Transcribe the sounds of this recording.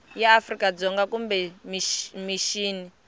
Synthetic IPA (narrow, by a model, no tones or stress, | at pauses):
jaːfrikad͡zɔŋɡakumbɛmimiʃiːni